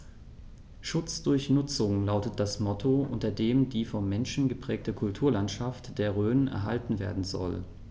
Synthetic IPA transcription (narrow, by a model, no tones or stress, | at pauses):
ʃʊt͡sd̥ʊɐçnʊt͡sʊŋlaʊtət̚d̥asmɔtʰoʔʊ̰ntɐdeːmdiːfɔmːɛnʃn̩ɡəpʁ̥ɛːk̚təkʰʊltʰuːɐlantʃaftd̥eːɐʁ̞øːnənɛ̰ɐɦa̰ltn̩vḛːɐdn̩zɔ̰l